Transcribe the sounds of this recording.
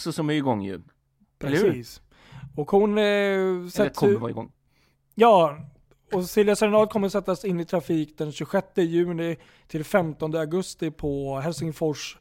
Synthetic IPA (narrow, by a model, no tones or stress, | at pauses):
ksɔsɔmɛɡɔŋːjɵ̰ | pʰɾɛsiːs | ɔkhʊn | sɛɔ̰ŋ | jɑː | ɔsɪlvjasɛɾnɑːd̪̚kʰɔmːəɾsɛt̪ːasɪnːɪt̪ʰɾafiːkd̪ɛnɕɵɧɛt̪ːəjʉ̟ːnɪ | t̪ʰɪlfɛmt̪ɔnd̪əaɡɵst̪ɪpʰɔɦɛlsɪŋfɔʂ